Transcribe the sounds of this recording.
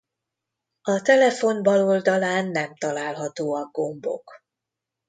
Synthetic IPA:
ɒt̪ɛlɛfo̞nbɒlo̞ld̪ɒlaːnːɛmt̪ɒlaːlɦɒt̪oːɒɡ̚ːo̞mbo̞̰k

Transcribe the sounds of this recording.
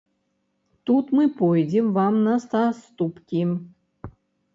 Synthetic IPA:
t̪ut̪mɨpojd͡zʲɪmvamnɐst̪ast̪upkʲi

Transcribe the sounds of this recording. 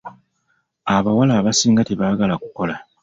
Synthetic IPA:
aβawalaːβasiːŋɡateβaːɡalakuko̞la

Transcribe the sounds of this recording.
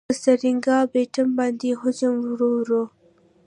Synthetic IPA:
saɾiŋɡɑbeʈəmbɑnd̪eɦʊd͡ʒəmwɾoɾo

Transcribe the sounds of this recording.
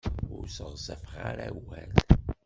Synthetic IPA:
ʊɾsəʁzæfʁaɾawæld̪

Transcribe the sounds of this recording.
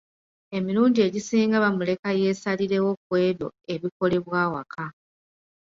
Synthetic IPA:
e̞miɾuːndie̞ɟisiːŋɡaβamule̞kaje̞saliɾe̞wo̞k̚we̞ːdo̞̰eβiko̞le̞βwaːwa̰kʰa

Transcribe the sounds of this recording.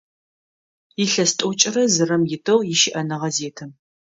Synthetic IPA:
jɪɬɐstʷʼʊt͡ʃʼɪrɐzɨrɐmjɪtʰɐwjɪʃɪʔɐnɨʁɐzeːtʰɨm

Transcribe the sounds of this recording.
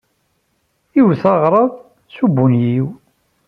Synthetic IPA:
jivθɑʁɾˤɑðˤ | subːunjiw

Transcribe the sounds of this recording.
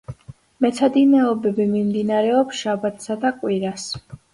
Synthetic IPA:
mɛt̪sʰad̪inɛɔbɛbimimd̪inaɾɛɔpsʃabat̪ʰsad̪akʼwiɾas

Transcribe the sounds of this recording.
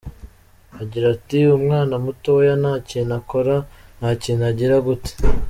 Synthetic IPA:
aɟiɾatiumŋaːnamutowejanaːciːnako̞ɾanhaːciːnaɟiɾaɡute̥

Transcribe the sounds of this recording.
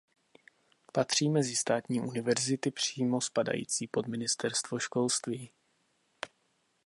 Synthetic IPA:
pat̪r̝̥iːmɛzɪst̪aːt̪ɲiːʔunɪvɛɾzɪt̪ɪpr̝̥iːmo̞spada̰jḭːt͡siːpo̞d̪mɪnɪst̪ɛɾst̪vo̞ʃko̞lst̪viː

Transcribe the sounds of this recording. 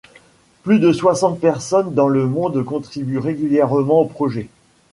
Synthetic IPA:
plyd̪əswasɑ̃t̪̚pɛʁsɔnd̪ɑ̃ləmɔ̃d̪kɔ̃t̪χibyʁeɡʲyljɛʁmɑ̃opχɔʒɛ

